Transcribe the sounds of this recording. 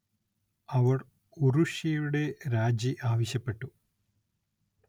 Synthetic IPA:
ɐʋɐr | uruʂijuɽe̞ɾaːd͡ʑiʔaːʋɐɕjɐpːe̞ʈːu

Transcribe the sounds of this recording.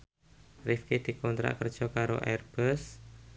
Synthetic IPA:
rifkid̪̥i̤kɔnt̪ɾa̰ʔkərd̥ʒ̥ɔkaɾo̰ʔɛrb̥əs

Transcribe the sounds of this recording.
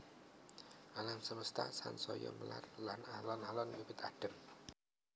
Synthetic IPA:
ʔalamsəməst̪asansɔjɔ̰məla̰rlanalɔnalɔnbipɪt̪aɖ̥ə̤m

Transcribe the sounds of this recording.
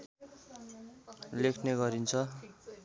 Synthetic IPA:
lekʰneɡʌɾint͡sʰʌ

